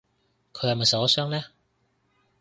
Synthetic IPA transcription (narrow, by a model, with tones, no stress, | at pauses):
kʰɵ˨˧hɐ˨mɐ˨jsɐ˨˧wɐ˥sœː˥ŋlɛː˥